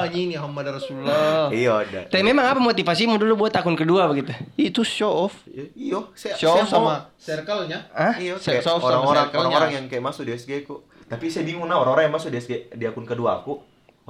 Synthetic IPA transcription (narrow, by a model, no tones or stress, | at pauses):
aɲiniɦamːadrasululɔiadat̪amemaŋapamot̪ifasimudulubuat̪akʊnkəduabəɡit̪uit̪uʃoɔfijosʃoɔfsamasɛrkalɲaaiosʃoɔfɾaŋoɾaŋaŋoɾaŋjaŋkajɛʔmasʊk̚disɡɛku | t̪apisajbiŋuŋnaoɾaŋoɾaŋjaŋmasʊkdisɡɛdiakʊnkəduaku